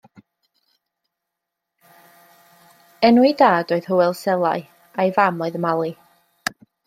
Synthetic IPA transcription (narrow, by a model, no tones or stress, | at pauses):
ɛnwɪdaːdoːɨð̥hʊwɛlˠsɛlˠaɨ | ajvamoɨðəmalˠi